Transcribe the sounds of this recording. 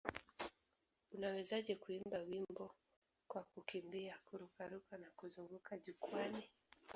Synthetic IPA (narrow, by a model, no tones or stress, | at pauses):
unawɛzaʄɛkuimbawimbɔ | kwakukimbiakuɾukaɾukanakuzuŋɡukaʄukwani